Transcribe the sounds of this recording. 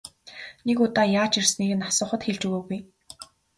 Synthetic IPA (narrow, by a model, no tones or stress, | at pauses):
nekʊt̪aːjaːt͡ɕirsniːɣɘ̆nasʊːχə̆t̪xeɮt͡ɕuɣoːɣuj